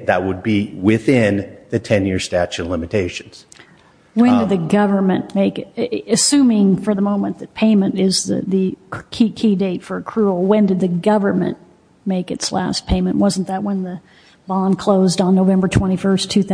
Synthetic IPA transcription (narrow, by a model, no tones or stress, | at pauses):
ðət̚wəd̚biwɪθɪ̃nðɨtʰɛ̃njɪɹstæt͡ʃɨ̃nlɪ̃mɨtʰeɪʃɨ̃nz̥ | wɨ̃ndɨd̪̚ðɨɡʌvə˞mɨ̃nmeɪkɨsʉ̃mɪ̃ŋfə˞ðəmõʊ̃mə̃nðɨt̚pʰẽɪ̃mɨ̃ntɪzðɨ̰ðɨkʰikʰideɪtfə˞ɨkʰɹ̥ul̩ˠwɨ̃ndɨd̪̚ðɨɡʌvə˞mɨ̰̃n | meɪkɨtslæ̰spʰẽɪ̃mɨ̃nʔwʌzn̩ðət̚wə̃nðɨ | b̥ɑ̃nkʰl̥oʊzdn̩nːoʊvɛ̃mbə˞tʰw̥ɛ̃ɾ̃ifɜ˞stʰʉθ